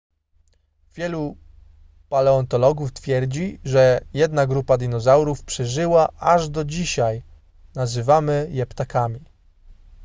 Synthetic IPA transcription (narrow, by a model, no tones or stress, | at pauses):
vʲjɛlu | palɛɔnt̪ɔlɔɡuft̪fʲjɛɾd͡ʑiʐɛjɛd̪naɡɾupad̪ʲinɔzawɾufpʂɛʐɘwaʔaʐd̪ɔd͡ʑiɕaj | nazɘvamɘjɛpt̪akamʲi